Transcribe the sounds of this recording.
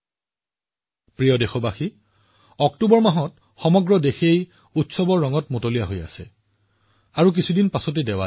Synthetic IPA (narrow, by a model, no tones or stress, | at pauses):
pɹijɔdexɔbaxi | ɔktubɔɹmaɦɔt | xɔmɔɡɹɔdexej | utsɔbɔɹɔŋɔtmotolijaɦoja̰sɛ̰ | aɹuk̬isʰudinpasɔt̬edɛwa